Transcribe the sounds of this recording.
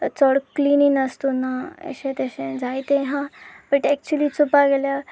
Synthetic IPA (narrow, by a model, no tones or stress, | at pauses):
t͡sɔɽklininəst̪unaɛ̰ɕẽt̪eɕẽd͡zajt̪ẽɦãbəʈɛk̚t͡ɕuəliːt͡supaɡɛlja